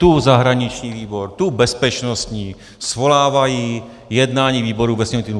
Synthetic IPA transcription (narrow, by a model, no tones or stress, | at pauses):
t̪uzaɦɾaɲɪt͡ʃɲiːviːboɾt̪ubɛspɛt͡ʃnost̪ɲiː | svo̞laːvaji | jɛdnaːɲiːviːbo̞ɾuvɛsɲɛmnt̪inu